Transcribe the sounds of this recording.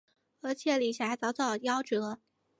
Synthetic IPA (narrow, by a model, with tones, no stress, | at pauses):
ə˧˥t͡ɕʰjɛ˧˩˦li˨˩ɕʰa˧˥ɪt͡sɑ˧˥ʊt̪ɑ˥˩ʊjɑ˥ʊʈ͡ʂɻ̩˧˥lə˧